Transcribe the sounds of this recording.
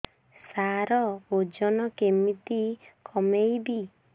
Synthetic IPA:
saɾɔod͡ʒɔnɔkemit̪ikʰɔmejbi

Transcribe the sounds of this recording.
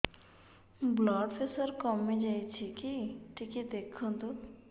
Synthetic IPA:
blɔːɖfesəɾkɔmːĩd͡ʒajt͡ʃʰikiʈʰiked̪ekʰõd̪u

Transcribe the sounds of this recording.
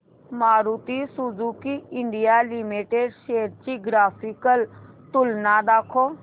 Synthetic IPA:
maːɾuːt̪isuzuːkiɪɳɖijaːlimiʈeɖʃeːəɾt͡ʃiɡɾaːpʰikəlt̪ʊlnaːd̪aːkʰoː

